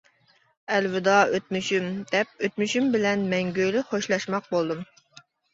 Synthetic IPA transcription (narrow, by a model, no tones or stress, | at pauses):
ælwɪd̪ɑøt̪̚myʃymd̪̥ɛp̚øt̪̚myʃymbɪlɛnmɛŋɡʲøjlɪχoʃlˠɑʃmɑq̚bolˠd̪ɨm